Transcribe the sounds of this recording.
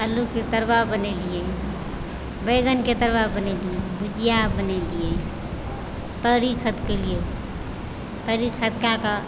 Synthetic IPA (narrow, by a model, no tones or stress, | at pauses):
əluket̪əɾbabənɛlije | bəɪɡənket̪əɾbabənɛlijebud͡ʒijabənɛlije | t̪əɾikʰət̪kelije | t̪əɾikʰət̪̚kakə